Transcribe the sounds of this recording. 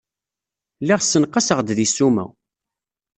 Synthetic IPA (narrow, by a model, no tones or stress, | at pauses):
liʁsːənqːɑsəʁd̪ðisːumæ̰w